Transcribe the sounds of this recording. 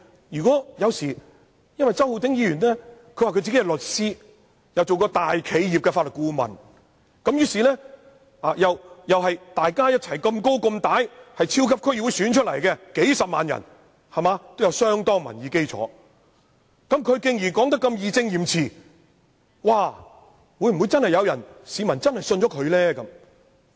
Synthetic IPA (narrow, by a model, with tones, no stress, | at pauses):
jyː˨kɔː˨˥jɐ˨˧wsiː˨˩ | jɐ˥nwɐ˨jt͡sɐ˥who˧t̪ɪ˨˥ŋjiː˧jyː˨˩nlɛ˥kʰɵ˧ɥwaː˨kʰɵ˧t͡siː˨ke˥ɐ˧lɵ˨t̚siː˥ | jɐ˨wt͡so˨wkɔː˧t̪aː˨jkʰe˨˧jjiː˨p̚kɛ˧faː˧lɵ˨t̚kuː˧˥mɐ̰˨n | kɐ˨˥mjyː˨˥siː˨lɛː˥ | aː˨jɐ˨wjɐ˨wɦɐ˨jt̪aː˨jkaː˥jɐ˥t̚t͡sʰɐ˨˩jkɐ˧mko˥wkɐ˧mt̪aː˨˥jhɐ˨jt͡sʰiː˥wkʰɐ˥p̚kʰji˨˩wu˨˧jsyː˨˥nt͡ʃʰɵ˥t̚lɐ˨˩jkɛ˧ke˨˥jsɐ˨p̚ma̰ː˨njɐ̰˨˩n | hɐ˨˩maː˨˧t̪o˥wjɐ˨˧wsœː˥ŋt̪ɔː˥ŋmɐ̰˨˩njiː˨˧ke˥jt͡sʰɔ̰ː˨˥ | kɐ˨˥mkʰɵ˨˧ɥkɪ˨˧ŋjiː˨˩kɔː˨˥ŋt̪̬ɐ˥kːɐ˧mjiː˨˧t͡sɪ˧ŋjiː˨˩mt͡sʰiː˨˩ | waː˨˧ | wuː˨˧˥jm̩˨wu˨˧jt͡sɐ˥nhɐ˨jɐ˨˧wjɐ˨˩nsiː˨˧mɐ˨˩nt͡sɐ˥nhɐ˨jsɵ˧nt͡ʃɔ˨˦˥kʰɵ˨˧ɥlɛː˥kɐ˨˧˥m